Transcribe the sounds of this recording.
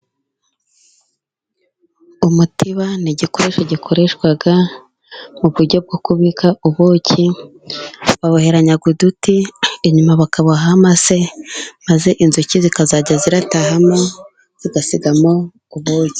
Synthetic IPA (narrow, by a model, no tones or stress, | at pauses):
umutʰiβaniɟiko̞ɾe̞ʃaɟikʰoɾe̞ʃwaɡa | muβuɾɟo̞b̚ɡokuβikauβoːci | βaβohe̞ɾaɲaɡudutieɲumaβakaβoɦamase̞maze̞ʔinzucizikazaːɟaziɾataɦamo̞ | z̥iɡasiɡamo̞ | uβoːci̥